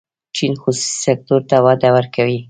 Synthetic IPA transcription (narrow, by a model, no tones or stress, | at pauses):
t͡ʃinxusu̥si̥sek̚t̪oɾt̪awɑd̪awəɾkʰawi